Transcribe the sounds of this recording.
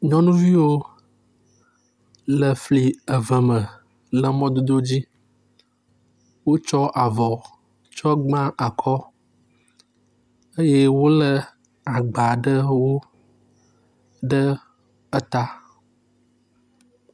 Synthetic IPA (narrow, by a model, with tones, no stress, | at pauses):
ɲɔ̃˦nũ˦vi˦wo˦ | lə˨fli˨ə˨və˨mə̃˨ | lə˨mɔ̃˦d̪o˦d̪o˦d͡ʑi˦ | wo˦t͡ʃɔ˦ʔa˨vɔ˨ | t͡ʃɔ˦ɡ͡bã˦ʔa˨kʰɔ˦ | ə˦je˦wo˦lə˦ | a˨ɡ͡ba˨ɖə˦wo˦ | ɖə˦ | ə˦t̪a˦